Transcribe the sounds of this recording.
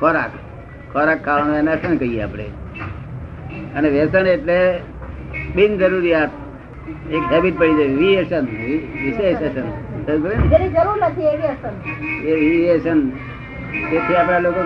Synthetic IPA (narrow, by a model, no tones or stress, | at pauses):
kɔɾak | kɔɾakʰːaʋanensənkəijea̰pɽ̃ḛ | əneʋesəneʈle | bind͡ʒəɾuɾijat̪̚ʰ | ekɦɛbiʈ̪̚pəɽid͡ʒaʋieʃənʋɪʃeʃesənsəip̬əɭineɾid͡ʒəɾuɾnət̪ʰieʋiesəneʋiʋieʃən | t̪et̪ʰiapɽ̃aloko